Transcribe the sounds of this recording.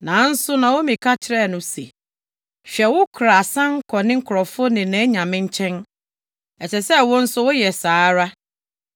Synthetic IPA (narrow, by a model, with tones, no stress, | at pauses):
nãː˨˦n̩˦sʊ˦nã˨wo˦mĩ˨kʰa˦t͡ɕʰɪ˦ɾɛ˦˨nʊ̃˨sḛ˨ | ɕᶣɛ˨wʊ˦kʰɾa˨sã˦ŋ˦kʰɔ˨nɪ̃˦ŋ̩˦kʰʊ˨ɾɔ˨fʊ˦ʊ˦nɪ̃˨nɛ̃˨˦ɲã˨mɪ̃˦ɲ˦t͡ɕʰɛ̃˦n | ɛ˨t͡ɕʰɛ˨sɛ˦wʊ̃˦n̩˦sʊ˦wʊ˦jɛ˨saː˨˦ɾa˦